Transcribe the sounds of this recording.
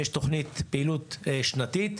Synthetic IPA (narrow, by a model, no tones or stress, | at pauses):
jeʃt̪oχnit̪peilut̪ːʃnat̪it̪